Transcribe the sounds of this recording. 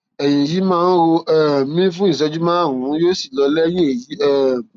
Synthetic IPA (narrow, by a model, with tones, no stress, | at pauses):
ɛ˨jẽ˨ji˨˦mãː˦˧˦n˦ɾo˧ʔɛ˦mĩ˦fũ˦ĩ˦˨s̬ɛ˧d͡ʒu˦mã˦˨ɾũ˨˦jo˦si˦˨lɔ˧lɛ˦j̃ĩ˦e˨ji˨˦ɛ˦˨